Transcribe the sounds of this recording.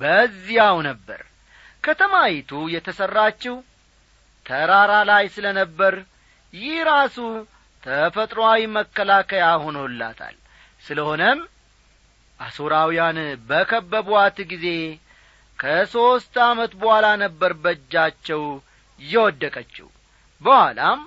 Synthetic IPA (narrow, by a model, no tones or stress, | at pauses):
bəzːihawnəbːə̰ɾ | kʰət̪ʰəmajit̪ʰujɛt̪ʰəsərːat͡ʃːɛw | t̪ʰəɾaɾalajsɨlənəbːəɾ | jɪhɾasu | t̪ʰəfət̪ʼɾowawiməkːəlakəjaho̞nolːa̰t̪ʰa̰l | sɨləho̞nəm | ʔasoɾawijanbəkʰəbːəβat̪ɡize̞ | kʰəso̞st̪amət̪bəhʷalanəbːəɾbəd͡ʒːat͡ʃːɛw | jɛwɔd̪ːəkʼət͡ʃːḭ | bəhala̰m